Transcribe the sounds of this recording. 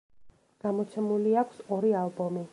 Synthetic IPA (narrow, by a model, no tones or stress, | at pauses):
ɡ̥amɔt̪sʰɛmuliakʰsɔɾialˠbɔmi